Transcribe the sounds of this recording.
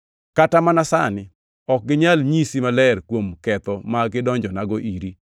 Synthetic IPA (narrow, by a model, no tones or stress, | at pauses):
katamanasanɪ | ɔk̚ɡɪɲalɲisimalɛrkwomkɛt̪ɔmaɡɪdɔɲd͡ʒɔnaɡɔʔiɾi